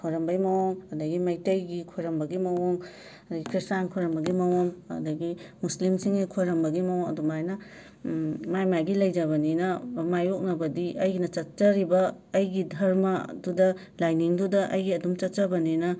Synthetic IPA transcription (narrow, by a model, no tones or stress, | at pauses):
kʰoɾɐmbɐjmɐwoŋɐdɐɡimɐjtɐjɡikʰojɾɐmbɐɡimɐwoŋ | ɐdɐɡikʰɾistankʰojɾɐmbɐɡimɐwoŋɐ̰dɐɡimuslimsiŋikʰoɾɐmbɐɡimɐwoŋɐ̰dumajnɐ | majmajɡilɐjd͡ʒɐβɐninɐmajok̚nɐbɐdiʔɐjɡinɐt͡ʃɐt̚t͡ʃɐɾibɐːjɡidʱɐɾmadudɐ | lajniŋdudɐʔɐjɡiɐdumt͡ʃɐt̚t͡ʃɐbɐninɐ